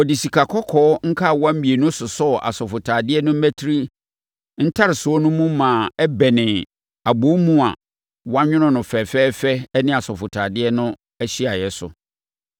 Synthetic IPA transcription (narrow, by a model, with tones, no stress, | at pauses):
ɔ˨di˨si˨kʰa˨kʰɔ˦kʰɔː˨˦ŋ̩˦kʰa˦˨wã˦m̩˦bi˨e˨nʊ̃˦sʊ˨sɔ˦˨ʔa̰˨sɔ˨fʊ˨tʰaː˨dɪ˦ɛ˦nʊ̃˦m̩˦mæ˦tʰi˦ɾi˦ | n̩˦tʰa˦ɾɪ˨sʊ˨˦ɔ˦nʊ̃˦mũ˦mãː˨ɛ˦bɛ˨nɪ̃˨ | a˨bo˨˦mũ˦a̰˨ | wã˦ɲᶣʊ̃˦nʊ̃˦nʊ̃˨fɛ˨fɛː˦fɛ˦nɪ̃˦a˨sɔ˨fʊ˨tʰaː˨dɪ˦ɛ˦nʊ̃˦ | ɛ˦ɕi˦a˨jɛ˨sʊ̰˨